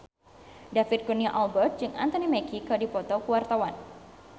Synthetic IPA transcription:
dafit̪̚kuniaʔɔlbərt̪̚d͡ʒɨŋʔa̰nt̪ɔnimɛkikədipɔt̪ɔkuwart̪awan

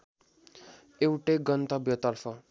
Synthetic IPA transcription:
ewʈeɡʌnt̪ʌbjʌt̪ʌrfʰʌ

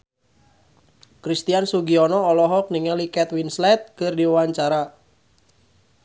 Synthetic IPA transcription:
kɾist̪iansuɡiɔnɔːlɔɦɔk̚niŋalikɛt̪winslɛt̪̚kɨrdiaaɲt͡ʃaɾa

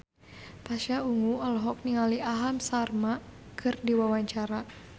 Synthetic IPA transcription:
paʃauŋuɔlɦɔk̚niŋaliʔaɦamsarmakʰɨrdiwawaɲt͡ʃaɾa

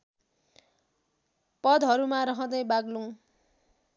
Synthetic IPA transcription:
pʌd̪ɦʌɾumaɾʌɦʌ̃d̪ʌjbaɡluŋ

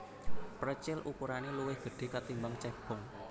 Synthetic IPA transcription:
pɾət͡ʃɪlʔukuɾaneluwɪhɡ̥ə̤ɖ̥e̤kat̪imbaŋt͡ʃɛb̥ɔ̤ŋ

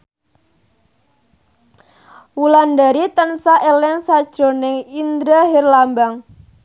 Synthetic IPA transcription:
wulandaɾit̪ənsaʔelɛnsad̥ʒ̥ɾo̤nɪŋind̪ɾaɦerlambaŋ

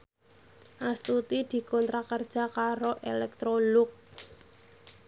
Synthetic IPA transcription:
ʔast̪ut̪id̪̥i̤kɔnt̪ɾakərd̥ʒ̥a̤kaɾoʔelɛk̚t̪ɾolʊk̚

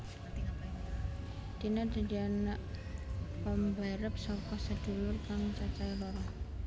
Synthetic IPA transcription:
d̪̥inad̪̥a̤d̪ianaʔ | pəmbaɾəp̚sɔkɔsə̥d̪̥ṳlʊrkaŋt͡ʃat͡ʃailɔɾɔ

